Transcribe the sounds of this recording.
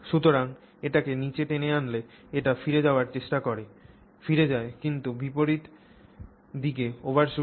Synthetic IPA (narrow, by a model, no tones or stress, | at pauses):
ʃut̪oɾaŋ | eʈakenit͡ɕeʈeneanle | eʈafiɾed͡ʑaoaɾt͡ɕeʃʈakoɾe | fiɾed͡ʑaekint̪ubipoɾit̪ | d̪ik̬eobaɾʃu